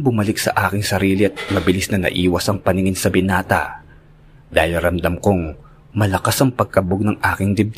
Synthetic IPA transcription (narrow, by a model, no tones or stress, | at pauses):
bʊmɐlɪksɐ̰ʔaːkɪŋsɐɾiːlɪɐt̪̚mɐbɪlisnɐnɐ̰ʔiːwɐsɐŋpɐnɪŋɪnsɐbɪnaːt̪ɐ̰ | d̪̥aːhɪlɾɐmd̪ɐmkoŋ | mɐlɐkasɐŋpɐɡ̚kɐboɡ̚nɐŋʔaːkɪŋd̪ɪb̚t̪